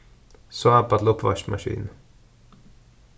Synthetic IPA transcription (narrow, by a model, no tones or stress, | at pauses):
soapɑt̪lɔpʋɑʃmɑʃḭːn